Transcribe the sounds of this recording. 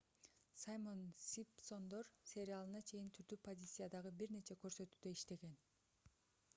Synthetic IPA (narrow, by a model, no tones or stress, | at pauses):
sajmo̞nsʲipso̞nd̪o̞ɾsʲe̞ɾʲɪalˠɯnɑt͡ʃʰe̞jint̪ʰyɾd̪ypʰo̞zʲit̪sɨjad̪ɑʁɯbiɾne̞t͡ʃʰe̞køɾsø̞t̪yːd̪øiʃt̪e̞ɡe̞n